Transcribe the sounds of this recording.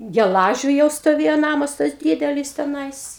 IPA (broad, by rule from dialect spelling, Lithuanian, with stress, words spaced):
ɡʲɛˈlˠɑːʒʲʊ jɛʊ stoːˈʋʲeːjoː ˈnɑːmɐs tɐs ˈdʲiːdʲɛlʲɪs tʲɛˈnɐɪs